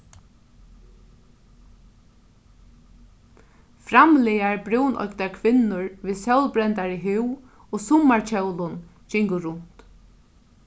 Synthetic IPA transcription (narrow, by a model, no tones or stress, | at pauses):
fɾamlɪjaɹbɾuwnʔɔ̰jkt̪aɹkʰʋɪnːʊɹviːðsœwlbɾɛnt̪aɹiɦʏw | oːsʊmaɹt͡ʃʰœwlʊn | d͡ʒɪŋkʊɾʊnt̪